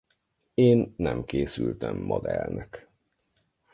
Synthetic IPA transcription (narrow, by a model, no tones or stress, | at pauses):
eːnːɛmkeːsylt̪ɛmːod̪ɛlnɛk